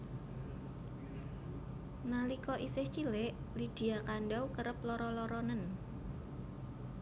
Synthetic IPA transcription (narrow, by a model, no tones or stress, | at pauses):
nalikɔʔisɪht͡ʃilɪʔ | lid̪̥i̤akanɖawkəɾəplɔɾɔlɔɾɔnən